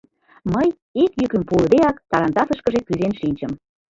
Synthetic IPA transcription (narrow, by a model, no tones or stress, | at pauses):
məj | ekjykə̆mpuld̪eɑkt̪ɑɾɑnt̪ɑsəʃkə̆ʒekyzenʃinʲt͡ɕə̆m